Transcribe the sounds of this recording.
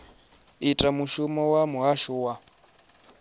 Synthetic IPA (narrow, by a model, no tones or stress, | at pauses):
itʼamuʃumɔwamuɦaʃuwa